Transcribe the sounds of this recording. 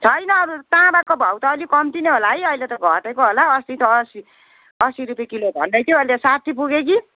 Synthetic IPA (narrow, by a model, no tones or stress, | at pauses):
t͡sʰʌjnʌːɾut̪ãbakobʱʌwt̪ʌːlikʌmt̪ineɦolajʌjlet̪ʌɡʱʌʈekoɦolaʌsit̪ʰːsi | ʌsiɾupjekilobʱʌ̰ndʌjt̪ʰjoʌlesat̪ʰipuɡek̬i